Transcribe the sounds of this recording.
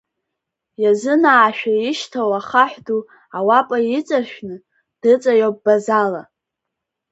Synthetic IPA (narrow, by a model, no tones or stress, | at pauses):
jazɨnaːʃᶣaɪʃtʰawaχaħʷᶣdu | awapʼait͡sʼaʃᶣnɨ | d̥ɨt͡sʼajop̚ʼbazala̰